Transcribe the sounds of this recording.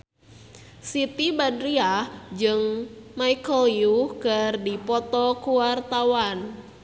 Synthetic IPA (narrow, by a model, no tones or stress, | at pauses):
sit̪ibadɾiad͡ʒɨŋmaikəliukərdipɔt̪ɔkuwart̪awan